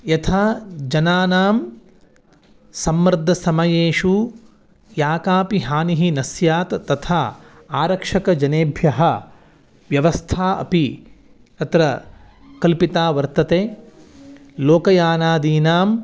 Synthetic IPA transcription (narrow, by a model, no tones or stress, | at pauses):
jɐt̪ʰaːd͡ʒɐnaːnaːm | sɐmːɾd̪ʱːɐsɐmɐjeːʂu | jaːkaːpiɦaːniɦinɐsjaːt̪ːɐt̪ʰaː | aːɾɐkʂɐkɐd͡ʒɐneːbʱjɐɦɐ | ʋjɐʋɐst̪ʰaːʔɐ̰pi | ɐt̪ɾɐ | kɐlpit̪aːʋɐɾt̪ɐt̪eː | loːkɐjaːnaːd̪iːnaːm